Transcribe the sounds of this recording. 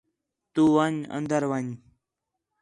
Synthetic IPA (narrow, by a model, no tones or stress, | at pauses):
t̪uːʋəɲə̰nd̪əɾʋəɲ